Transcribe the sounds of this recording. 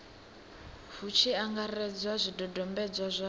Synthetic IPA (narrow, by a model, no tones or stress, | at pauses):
hut͡ʃʰiaŋɡarɛd͡zwazʷidɔdɔmbɛd͡zwazʷa